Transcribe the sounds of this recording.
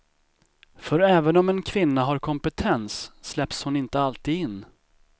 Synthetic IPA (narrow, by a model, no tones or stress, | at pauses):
fœɾɛːvənɔmɛnkʰvɪnːaɦaɾkʰɔmpɛt̪ʰɛnsːlɛpshʊnɪnt̪əalt̪iːɪnː